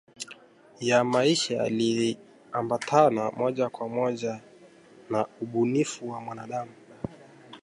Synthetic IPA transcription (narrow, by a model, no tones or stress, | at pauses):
jamaiʃaja̰li | ambatʰanamɔʄakwamɔʄa | nauɓunifuwamwanaɗamu